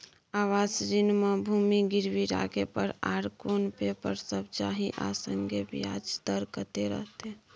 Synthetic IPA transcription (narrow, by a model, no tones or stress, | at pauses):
awasd͡ʒinməbʱumiɡiɾbiɾa̰ɡepəɾa̰ɾkonpepəɾsəbt͡ʃaɦiʔa̰səŋɡebḭad͡ʒd̪əɾkət̪eɾə̰ɦt̪e